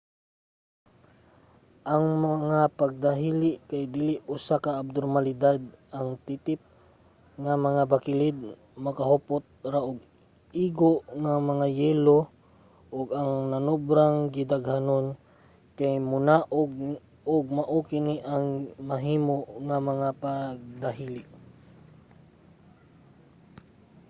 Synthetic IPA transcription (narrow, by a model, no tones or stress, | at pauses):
ʔaŋmaŋapaɡ̚d̪aɦilɪʔkajd̪iːlɪʔʊsakaːb̚d̪oɾmalɪd̪ad̪̚ʔaŋt̪it̪ɪp̚ | ŋamɐŋabakɪlɪd̪̚ | mɐkaɦopot̪̚ɾaʔʊɡ̚ | iːɡoʔŋamɐŋajɛːlo | ʔʊɡaŋnanobɾaŋɡɪd̪aɡhanon | kajmʊnaʔoɡ̚ | ʊɡ̚maʔukɪniʔaŋmɐɦiːmoʔŋamɐŋapaɡ̚d̪aɦilɪʔ